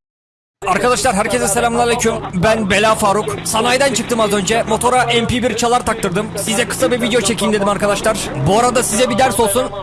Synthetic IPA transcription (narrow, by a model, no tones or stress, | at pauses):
aɾkʰad̪aʃlˠaɾɦæɾcʰezɛselʲamlˠaalʲecʰymbænbe̞lʲaːfaːɾuksanajd̪ant͡ʃʰɯkt̪ɯmazø̞nd͡ʒɛmo̞t̪ʰo̞ɾaʔɛmpibiɾt͡ʃʰalˠaɾt̪ʰak̚t̪ɯɾd̪ɯmsizɛkʰɯ̥sabivid̪ejo̞t͡ʃʰe̞cʰind̪e̞d̪imaɾkad̪aʃlˠaɾ̥buaɾad̪asizɛbid̪æɾso̞lˠsun